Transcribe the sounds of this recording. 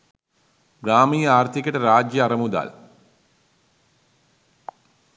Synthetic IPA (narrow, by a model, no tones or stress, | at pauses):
ɡɾaːmiːaːrt̪ʰikʲːɐʈɐɾaːd͡ʑjɐɐrɐmud̪a̰ːl